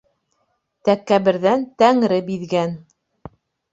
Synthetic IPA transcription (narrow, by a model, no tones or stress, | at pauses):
t̪ækːæβɘ̆ɾðænt̪æŋɾɘbiðɡæn